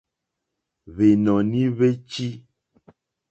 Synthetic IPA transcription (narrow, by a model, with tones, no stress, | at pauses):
βe˨nɔ̃˨nĩ˦βe˦t͡ʃi˦